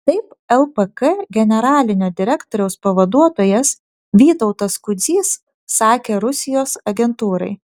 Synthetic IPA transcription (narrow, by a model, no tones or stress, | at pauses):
t̪ɐɪpɛlˠpəkɛɡʲɛnʲɛɾɑːlʲɪnʲoːd̪ʲɪɾʲɛkt̪oːɾʲɛʊspɐʋɐd̪uɔt̪oːjɛs | ʋʲiːt̪ɔʊt̪ɐskʊd̪zʲiːsː | ɑːkʲeːɾʊsʲɪjoːsɐɡʲɛnt̪uːɾɐ̰ɪ